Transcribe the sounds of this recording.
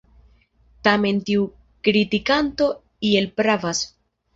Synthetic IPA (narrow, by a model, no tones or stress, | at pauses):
tame̞ntiu | kɾitikanto̞ | ie̞lpɾavas